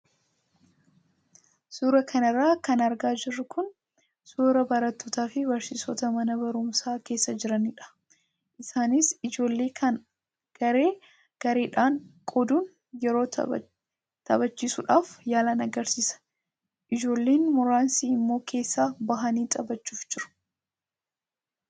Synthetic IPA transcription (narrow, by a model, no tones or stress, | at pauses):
suːɾɐkʰɐnɐrːaːkɐnɐɾɡaːd͡ʒɪrːʊkʊn | suːɾɐbɐɾɐt̪ːoːt̪aːfɪbɐɾsɪsɔt̪ɐmɐnɐbɐɾʊmsaːke̞ːsːɐd͡ʒɪɾɐnɪᶑɐ̥ | ʔɪsaːnɪsɪd͡ʒo̞ːlːe̞ːkʰɐn | ɡ̥ɐɾe̞ː | ɡ̥ɐɾe̞ːᶑaːŋkʼɔd̪uːn | jɛɾo̞̰ː | t̪ɐ̰bɐt͡ʃːiːsʊᶑaːfjaːlaːnɐɡɐɾsiːsɐ̥ | ʔɪd͡ʒo̞ːlːe̞ːnmʊɾaːnsiːɪmːo̞ːkʰe̞ːsːaːbɐɦɐniːt̪ʼɐbɐt͡ʃːuːfd͡ʒɪɾʊ̥